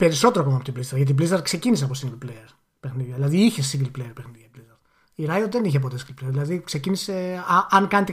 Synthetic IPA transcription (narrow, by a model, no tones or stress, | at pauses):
pe̞ɾiso̞t̪eɾoɐkomɐpot̪iblist̪ɐɾɣʝɐt̪̬iblist̪ɐɾt̪̚kse̞ciniseɐpo̞siŋɡlpleeɾ | pexniðjɐðilɐðiiçe̞siŋɡlpleeɾpexniðjɐblist̪ɐɾt̪ | iɾɐjot̪ðe̞niçep̬o̞t̪esĩɡlplejɾðilɐðikse̞cinise̞ɐɐŋkɐnet̪e